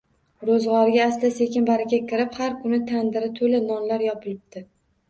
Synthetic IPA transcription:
ɾozʁɑɾɪɡʲaːslase̞kʲɪnbaɾakʲakʲʰɪɾɪphaɾkʰʊnɪt̪ʰand̪ɪɾɪt̪ʰolanɒnlaɾjɒpʰɪlɪb̚t̪ʰɪ

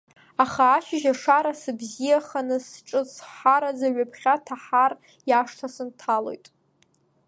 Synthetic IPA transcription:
aχaːʃɪʒaʂaɾasɨbzijaχanɨsʈ͡ʂʼɨsħaɾazaɥapʰχʲatʰaħar | jaʂtʰasɨntʰalo̞̰jtʼ

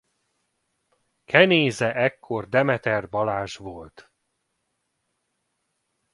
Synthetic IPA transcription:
kʰɛneːzɛʔɛkʰːo̞rd̪ɛmɛt̪ɛrbɒlaːʒʋolt̪

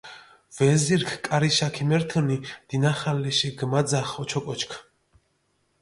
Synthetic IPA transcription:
vɛziɾkʰkʼaɾiʃakʰimɛɾt̪ʰənid̪̥inaχalːɛʃɛɡmad̪zaχɔt͡ʃʰɔkʼɔt͡ʃʰkʰ

